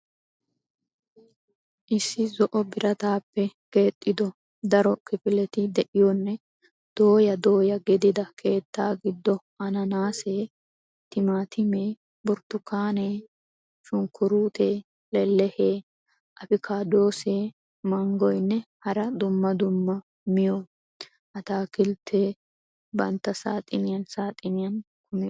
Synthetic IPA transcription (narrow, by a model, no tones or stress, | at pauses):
ʔɪsːɪzɔʔɔbɪɾʔɐt̪aːpːɛke̞ːt̪ʼːɪd̪ɔ | d̪ɐɾɔkɪfɪlɛt̪ɪd̪ɛʔɪjɔnːɛ | d̪̥o̞ːjɐd̪o̞ːjɐɡɛd̪ɪd̪ɐkʰe̞ːt̪ːaːɡɪd̪ːɔʔɐnɐnaːseː | t̪ɪmaːt̪ɪmeː | bʊɾt̪ːʊkaːneː | ʃʊŋkʰʊɾuːt̪ʰeː | lɛlːɛheː | ʔɐfɪkʰaːd̪o̞ːseː | mɐŋɡɔjnːɛhɐɾɐd̪ʊmːɐd̪ʊmːɐ | mɪjɔ | ʔɐt̪aːkɪlt̪ʰeː | bɐnt̪ːɐsa̰ːt̪ʼɪnɪjɐnsaːt̪ʼɪnɪjɐn | kʰʊmɪ